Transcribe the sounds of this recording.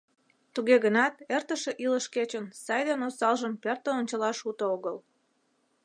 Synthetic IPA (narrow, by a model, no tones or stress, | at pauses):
t̪uɣeɣənɑt̪̚ert̪əʃeʔiləʃket͡ɕənsɑjd̪enosɑlʒəmpert̪əonʲt͡ɕəlɑʃut̪ooɣəl